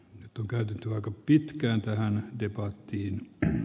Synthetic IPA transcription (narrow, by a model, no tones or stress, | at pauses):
nyt̪ːoŋkæyt̪et̪ːyɑikɑpit̪kæːnt̪æhændepɑt̪ːiːn